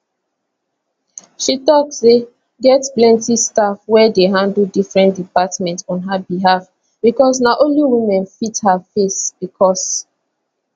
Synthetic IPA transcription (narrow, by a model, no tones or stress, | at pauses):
ʃitɔk̚se | ɡɛtplɛ̃ntistafwɛdeɦãndldifɹɛ̃ntdipatmɛ̃ntɔ̃nɦabiɦaf | b̥ikɔs̬naʔõnliwimɛ̃nfithafesb̥ikʰɔs